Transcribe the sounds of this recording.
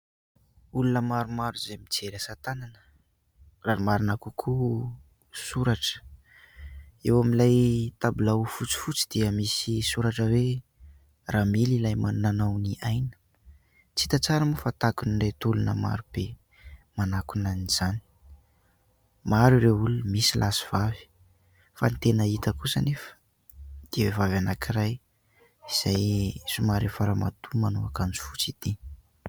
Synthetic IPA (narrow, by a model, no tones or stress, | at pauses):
ulunəmaɾumaɾuzemid͡zeɾasat̪ananə̥ | raɾimaɾunakukʰu | suɾaʈ͡ʂə̥ | ewamilajt̪abulaufut͡si̥fut͡sid̪̥iəmisisuɾaʈ͡ʂəwe | ramililajmanunanawniʔajnə̥ | t͡sit̪at͡saɾəmufat̪akuniɳɖ͡ʐet̪ulunə̰ma̰ɾub̥e | manakunaniz̥ani̥ | maɾureulunmisilʔasi̥v̥avi̥ | fa̰nit̪enəit̪əkusənefə̥ | d̪̥iewevavanakiraj | iz̥ajsumaɾefaɾama̰t̪ʰumanuakand͡zi̥fut͡sit̪i